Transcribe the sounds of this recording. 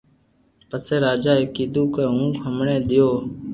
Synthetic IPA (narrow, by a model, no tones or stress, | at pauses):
pəseːɾaːd͡ʒaːeːkiːd̪ũːkeːɦũːkʰəmɳẽːd̪ɪjoː